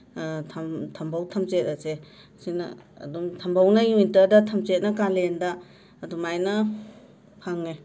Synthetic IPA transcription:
tʰatʰɐmbʱawtʰɐmt͡ʃet̚ase | sinɐ̰ːdumtʰɐmbʱawnɐjuintɐdɐtʰɐmt͡ʃet̚nɐkalendaː | dumajnɐ | pʰaŋe

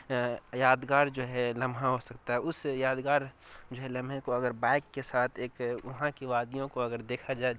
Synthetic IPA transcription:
jaːd̪ɡaːɾd͡ʒoːɦɛlɐmʱɦãɦosɐkt̪aɦɛʊsjaːd̪ɡaːɾ | d͡ʒoːɦɛlɐ̃mʱɦẽkoɐɡəɾbaːɪkːesaːt̪ʰeːkʊɦãkiʋaːd̪ijõkoɐɡəɾd̪eːkʰad͡ʒaːe

